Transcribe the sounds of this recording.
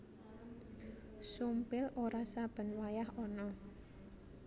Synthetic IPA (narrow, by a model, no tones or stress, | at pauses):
sumpɪlʔoɾasab̥ə̤nwajahɔnɔ